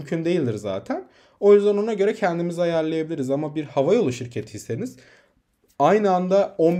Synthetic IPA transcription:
mcʰynd̪e̞jilʲd̪iɾza̰ːt̪ʰæn | o̞jyzd̪æno̞naɟø̞ɾɛcʰɛnd̪imizajæɾlʲejebilʲiɾizamabiɾhavajo̞lˠuʃiɾcʰet̪ʰi̥hist̪eniz̥ | ajnɯand̪ao̞n

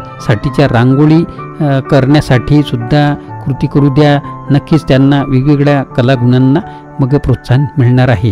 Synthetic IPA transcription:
saʈit͡ɕjaɾaŋɡoɭiːkəɾɳjasaʈʰiːsud̪ʱːakɾut̪ikəɾud̪janəkːiːt͡st̪janːaʋiɡʋiɡɭjakəlaɡuɳanːa | məɡəpɾot̪sanmiɭɳaɾaɦe

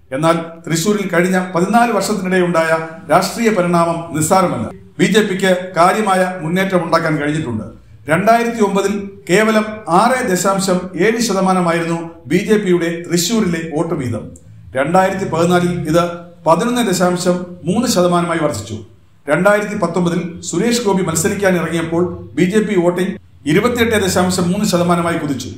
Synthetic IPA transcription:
e̞nːaːlt̪riɕuːɾilkɐɻiɲːɐpɐðinaːlɨʋɐrʂɐt̪ːiniɽe̞uɳɖaːjɐɾaːʂʈriːjɐpɐɾiɳaːmɐmnirsaːɾɐmɐlːɐ̰ | biːd͡ʑe̞ːpːikʲːɨkaːɾjɐmaːjɐmunːe̞ːtːɐmuɳɖaːkːaːnkɐɻiɲːiʈːuɳɖɨ̰ | ɾe̞ɳɖaːjiɾɐt̪ːio̞mbɐðilke̞ːʋɐlɐmaːred̪e̞ɕaːmɕɐme̞ːnɨɕɐðɐmaːnɐmaːjiɾunːubiːd͡ʑe̞ːpːijuɽe̞riɕjuːɾile̞o̞ːʈːɨʋiːðɐ̰m | ɾe̞ɳɖaːjiɾɐt̪̬ːipɐðinːaːliliðɨ | pɐðinonːɨd̪eɕaːmɕɐmːuːnːɨɕɐðɐmaːnɐmaːjiʋɐrt͡ɕi̥t͡ɕːṵ | ɾe̞ɳɖaːjiɾɐt̪̬ːipɐt̪ːo̞mbɐðilsuɾe̞ːʂko̞ːbimɐlsɐɾikʲːaːnirɐŋːijɐpːo̞ːɭbiːd͡ʑe̞ːpːio̞ːʈːiŋ | iɾubɐt̪ːije̞ʈːed̪eɕaːmɕɐmːuːnːɨɕɐðɐmaːnɐmaːjikuðit͡ɕːṵ

